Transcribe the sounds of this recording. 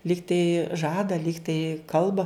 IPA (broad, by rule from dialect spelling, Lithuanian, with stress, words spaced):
ˈlʲiːktɐɪ ˈʒɑːdɐ ˈlʲiːktɐɪ ˈkɐlˠbɐ